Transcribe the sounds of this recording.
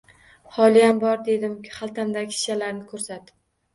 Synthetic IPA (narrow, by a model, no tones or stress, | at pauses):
χɒlɪjambɒɾd̪e̞d̪ɪmʲχalˠt̪ʰamd̪aɡʲʰɪ̥ʃalaɾnɪkʰɵɾsat̪ɪ